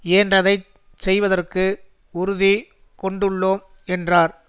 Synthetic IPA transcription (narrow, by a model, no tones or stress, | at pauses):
eːndrɐðɐɪ | sɛjʋɐðɐrkɯ | ʊɾʊði | kɔɳɖɯɭːoːm | ɛndraːɾ